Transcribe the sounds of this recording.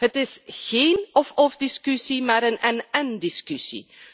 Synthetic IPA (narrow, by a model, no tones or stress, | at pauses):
ɦətɪsɣeːnɔfɔfdiskysimaːɾənɛnɛndiskysḭ